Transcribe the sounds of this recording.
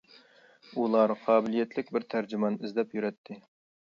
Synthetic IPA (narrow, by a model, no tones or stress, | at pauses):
ulˠɑɾqʰɑːbɪlijɛt̪lɪkʲbɪɾt̪ʰæɾd͡ʒɪmɑnɪzd̪ɛpjyɾɛt̪ʰːɪ